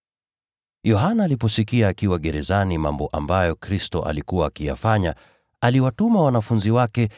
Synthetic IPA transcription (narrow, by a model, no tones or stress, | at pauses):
jɔɦanaːlipɔsikiaːkiwaɠɛɾɛzanimambɔʔambajɔkɾistɔ̰ʔa̰likuwaːkija̰faɲa | aliwatumawanafunziwakɛ